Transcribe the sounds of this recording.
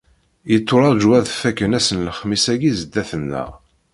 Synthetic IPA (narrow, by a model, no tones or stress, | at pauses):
jət̪ˤːʊɾˤɑðˤd͡ʒwæðfækːənæsənləχmisæɡizəd̪ːæθənːə̰ʁ